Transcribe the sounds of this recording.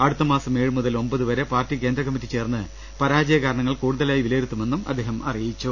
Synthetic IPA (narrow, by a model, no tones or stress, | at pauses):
ɐɽut̪ːɐmaːsɐme̞ːɻɨmuðɐlo̞mbɐðuʋɐɾe̞paːrtːike̞ːnd̪ɾrɐkɐmːitːit͡ɕe̞ːrnːɨ | pɐɾaːd͡ʑɐjɐkaːɾɐɳɐŋːɐɭkuːɽuðɐlaːjiʋilɐjɾut̪ːume̞nːumɐd̪ʱːeːɦɐmɐ̰rijit͡ɕːu